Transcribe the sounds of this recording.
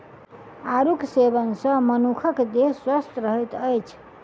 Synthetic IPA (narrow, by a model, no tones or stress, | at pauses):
aɾuksebənsə̃mənukʰəkd̪eswəst̪ɾəɦɛt̪əjt͡ʃʰ